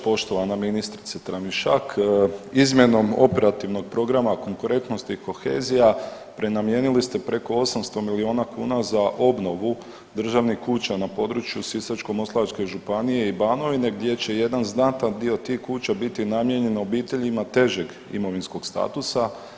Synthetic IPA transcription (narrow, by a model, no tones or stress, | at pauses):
po̞ʃt̪o̞ʋanaminist̪ɾit̪set̪ɾamiʃakizmje̞no̞mo̞pe̞ɾat̪iʋno̞ɡ̚pɾo̞ɡɾamako̞ŋkuɾe̞nt̪no̞st̪iko̞xe̞̰ːzija | pɾenamje̞nilist̪e̞pɾe̞ko̞o̞samst̪o̞milioːnakuːnazaʔo̞bno̞ʋu | d̪r̩ʒaʋnihkuːt͡ɕanapo̞ːd̪ɾut͡ʃjusisat͡ʃko̞mo̞slaat͡ʃke̞ʒupanije̞ibaːno̞ʋine̞ɡd̪je̞t͡ɕe̞je̞d̪anznat̪and̪io̞t̪ihkuːt͡ʃabit̪inamje̞ɲe̞no̞biːt̪e̞ʎimat̪e̞ʒe̞ɡ | ḭmo̞ʋinskoɡ̥st̪a̰ːt̪usa